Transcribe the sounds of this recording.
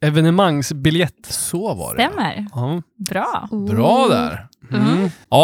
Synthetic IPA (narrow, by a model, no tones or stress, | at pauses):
ɛvɛnəmaŋːsbɪljɛt̪ːsoːvɑ̰ɾ̰ɛmæ̰ɾɑbɾɑːbɾɑːd̪æ̰ɾ | ɑː